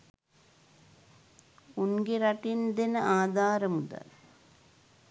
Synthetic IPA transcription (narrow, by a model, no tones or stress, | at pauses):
unɡeɾɐʈind̪enəʔaːd̪ʱaːɾəmud̪a̰l